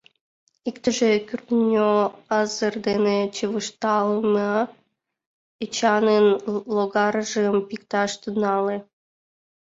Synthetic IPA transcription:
ikt̪əʒekʲyrt̪nʲoɑzərd̪enet͡ɕeβɨʃt̪ɑlˠmə | it͡ɕɑnenloɣɑɾʒɨmpikt̪ɑʃt̪ɨnɑle

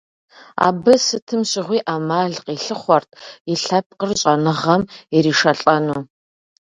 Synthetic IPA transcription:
a̰ːbɨsɨtʰɨmɕɪʁʷiːʔaːmaːɮqʼiːɬɨχʷɔrtʰjɪɬɐp̚ʰqərɕʼɐnɨʁɐmiɾiːʃɐɬʼɐnuː

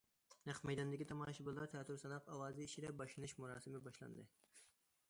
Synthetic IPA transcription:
næχmɛjd̪ɑnd̪ɪkʲit̪ʰɑmɑːʃɪbɪlˠɑɾt̪ʰæːt̪ʰuɾsɑnɑqɑwɑːziːʃiɾɛbɑʃlɨnɪʃmuɾɑ̰ːsɨmɪbɑʃlˠɑ̰nd̪ɨ

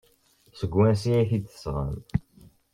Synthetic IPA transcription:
səɡːwæns̬iæçid̪θə̥sʁə̰l

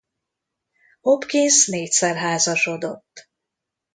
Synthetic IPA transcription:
ho̞pkinsneːcʲsɛrɦaːzɒʃo̞d̪o̞t̪ː

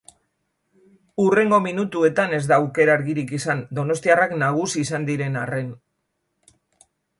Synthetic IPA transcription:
ure̞ŋɡo̞minut̪ue̞t̪ane̞zd̪aːwke̞ɾaɾɣiɾikisand̪o̞no̞st̪iaraknaɣ̞usiːsand̪iɾe̞nare̞n

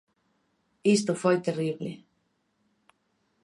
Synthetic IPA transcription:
ist̪ofojt̪eriβle

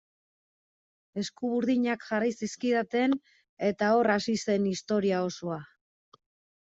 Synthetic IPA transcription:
e̞skuβuɾðiɲakʝarajsiskiðat̪e̞n | e̞t̪ao̞rasise̞nist̪o̞ɾiao̞soa

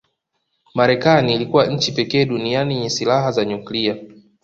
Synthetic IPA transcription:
maɾɛkaniːlikuwaɲ̩t͡ʃipɛkɛːɗunianiɲɛsilaɦazaɲuklia

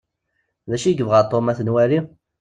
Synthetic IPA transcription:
ðæʃiəɡəvʁəɾt̪ˤːomæθənwæɾi

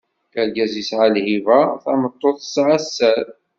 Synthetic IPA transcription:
kælɡæzisʕalhivæθæmət̪ˤːoθə̥sʕasːæɾ

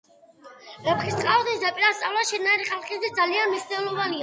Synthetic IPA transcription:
ɛpχist̪χʼaɔd̪nisd̪apʼiɾast̪sʼa̰vlˠaʃɛd̪naɛɾiχalˠχisd̪ɛd̪zalianmiʃnɛlˠɔvania

